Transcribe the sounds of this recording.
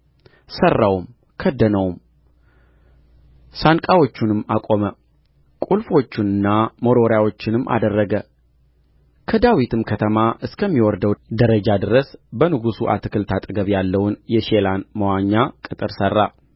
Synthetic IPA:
sərːawm | kʰəd̪ːənəwm | sankʼawo̞t͡ʃːunɨmːakʼo̞mə | kʼulfo̞t͡ʃːɪnɨnːamo̞ɾo̞ɾjawo̞t͡ʃːɪnɨmːʔa̰d̪ərːəɡə | kʰəd̪awit̪ʰɨmkʰət̪ʰəmaʔɨskʰəmːiwɔɾd̪əwd̪əɾəd͡ʒad̪ɨɾəsbənɨɡusuʔa̰t̪ʰɨkʰɨlt̪ʰat̪ʼɨɡəβjalːəwʊnjɛʃelanməwaɲːakʼɨt̪ʼɨɾsərːa

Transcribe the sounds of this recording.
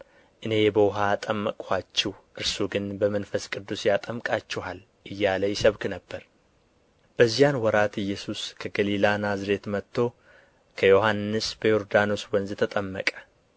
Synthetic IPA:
ʔɨne̞bəwʊɦat̪ʼəmːəkʼat͡ʃːɛhʔɨɾsuɡɨnbəmənfəskʼɨd̪ːusjat̪ʼəmkʼat͡ʃːɛhal | ʔɨjːaləjɪsəβknəbːəɾ | b̥əzːijanwɔɾat̪ɨjːɛsuskʰəɡəlilanazɾe̞t̪mət̪ːo̞ | kʰəjo̞ɦanːɨsbəjo̞ɾd̪ano̞swɔnzɨt̪ʰət̪ʼəmːə̰kʼə̥

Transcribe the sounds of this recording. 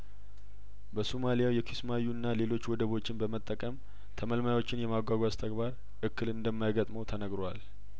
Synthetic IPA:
bəsumalijawjɛkʰismajuɨnːale̞lo̞t͡ʃːwɔd̪əβo̞t͡ʃːɪnbəmət̪ʼːəkʼəm | t̪ʰəməlmajawo̞t͡ʃːɪnjɛmaɡʷaɡʷast̪ʰəɡbaɾ | ʔɨkːɨlɨnd̪əmːajɡət̪ʼməwt̪ʰənəɡɾwa̰l

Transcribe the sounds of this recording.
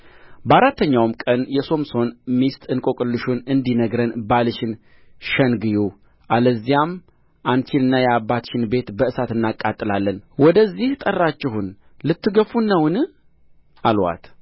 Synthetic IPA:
bəaɾat̪ʰːəɲːawmkʼənjɛso̞mso̞nmist̪ʼɨnkʼo̞kʼɨlːɨʃunɨnd̪inəɡɾənbalɨʃɪn | ʃənɡɨju | ʔaləzːijam | ʔant͡ʃʰɪnɨnːajɛabːat̪ʃɪnbe̞t̪bəʔɨsat̪ɨnːakʼːat̪ʼːɨlalːənwɔd̪əzːiht̪ʼərːat͡ʃːɪhun | lɨt̪ːɨɡəfunːəwɨnɨ | ʔalwa̰t̪

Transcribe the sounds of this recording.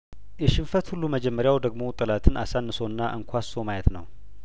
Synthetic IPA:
jɛʃɪnfət̪hulːuməd͡ʒɛmːəɾjawd̪əɡmo̞t̪ʼɨlat̪ʰɨnʔa̰sanːɨso̞ɨnːaʔɨŋkʷʰaso̞majɛt̪nə̰w

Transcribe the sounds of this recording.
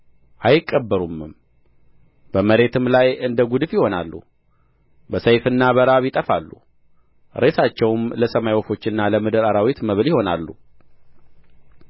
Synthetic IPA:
ʔajɪkʼːəbːəɾumːɨm | bəməɾe̞t̪ʰɨmlajɨnd̪əɡud̪ɨfjɪho̞na̰lːṵ | bəsəjfɨnːaβəɾaβjɪt̪ʼəfalːṵ | ɾe̞sat͡ʃːɛwmləsəmajwɔfo̞t͡ʃːɪnːaləmɨd̪ɨɾaɾawit̪məβɨljɪho̞na̰lːṵ

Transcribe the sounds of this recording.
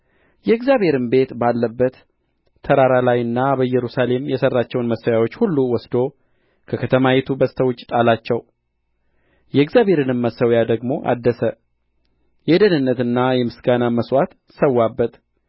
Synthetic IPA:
jɛɡzjaβhe̞ɾɨmbe̞t̪balːəbːət̪ʰː | əɾaɾalajɨnːabəjɛɾusale̞mjɛsərːat͡ʃːɛwnməsːəwjawot͡ʃːhulːuwɔsd̪o̞ | kʰəkʰət̪ʰəmajɛt̪ʰubəst̪ʰəwʊt͡ʃʼːt̪ʼalat͡ʃːɛw | jɛɨɡzjabhe̞ɾɨnɨmːəsəwjad̪əɡmo̞ʔa̰d̪ːəsə | jɛd̪ənɨnːət̪ɨnːajɛmɨsɡanaməswat̪ | səwːabːət̪

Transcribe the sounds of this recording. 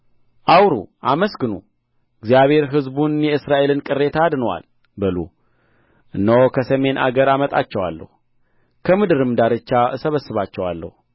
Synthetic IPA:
ʔawɾṵʔaməsɡɨnṵ | ɨɡzijaβhe̞ɾɦɨzbunjɛɨsɾaʔe̞lɨnkʼɨrːe̞t̪ʰaːd̪nəwa̰l | bɨlṵ | ʔɨnːəwokʰəsəme̞nʔa̰ɡəɾamət̪ʼa̰t͡ʃːɛwa̰lːə̰hu | kʰəmɨd̪ɨɾɨmd̪aɾɨt͡ʃːasəβəsːɨβat͡ʃːɛwa̰lːə̰hu

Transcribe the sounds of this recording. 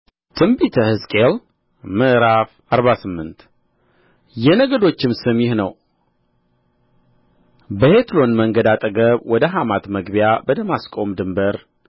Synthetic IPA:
t̪ʰɨmbit̪ʰəhɨskʼel | mɨʔɾafʔaɾβasɨmːɨnt̪ | jɛnəɡəd̪o̞t͡ʃːɪmsɨmjɪhnəw | bəhet̪lo̞nməŋɡəd̪at̪ʼəɡəβwɔd̪əɦamat̪məɡbijabəd̪əmaskʼo̞md̪ɨmbəɾ

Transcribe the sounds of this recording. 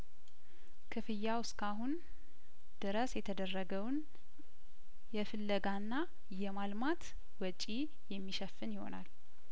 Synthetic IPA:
kʰɨfɨjːawɨskʰaɦun | d̪̥ɨɾəsjɛt̪ʰəd̪ərːəɡəwn | jɛfɨlːəɡanːa | jɛmalmat̪ | wɔt͡ʃʼi | jɛmːiʃəfːɨnjɪho̞̰na̰l

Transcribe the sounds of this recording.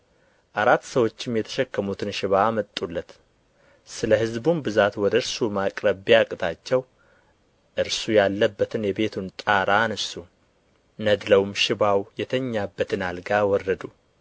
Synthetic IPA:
ʔaɾat̪ːsəwo̞t͡ʃːɪmjɛt̪ʰə̥ʃɛkːəmut̪ʰɨnʃɪβaːmət̪ʼːulːət̪ | sɨləhɨzbunbɨzat̪wɔd̪əɨɾsumakʼɾəβiakʼɨt̪ʰat͡ʃːɛw | ʔɨɾsujalːəbːət̪ʰɨnjɛbe̞t̪ʰunt̪ʼaɾanəsu | nəd̪ləwmʃɪβawjɛt̪ʰəɲːabːət̪ʰɨnalɡawɔrːəd̪u

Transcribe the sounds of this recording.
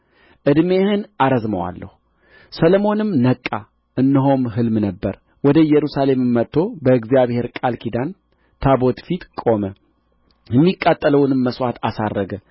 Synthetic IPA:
ʔɨd̪mehɨnaɾəzməwa̰lːə̰hu | səlomo̞nɨmnəkʼːa | ʔɨnːɨɦo̞mɦɨlmnəbːəɾ | wɔd̪əjɛɾusale̞mɨmːət̪ʰːo̞bəɨɡzijaβhe̞ɾkʼalkʰid̪an | t̪ʰabo̞t̪fit̪kʼo̞mə | jɛmːikʼːat̪ʼːələwnɨmːəswat̪asarːəɡə

